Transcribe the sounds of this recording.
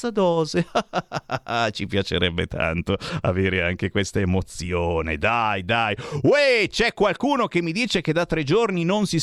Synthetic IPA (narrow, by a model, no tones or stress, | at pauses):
ad̪ɔːzea | t͡ʃipjat͡ʃeɾɛbːḛt̪ʰa̰nt̪oa̰veːɾeaŋk̟ekwest̪aemot̪sjoːnḛd̪ajd̪ajwet͡ʃɛkːwalkuːnok̟emːid̪iːt͡ʃeked̪at̪ːɾed͡ʒorninonsi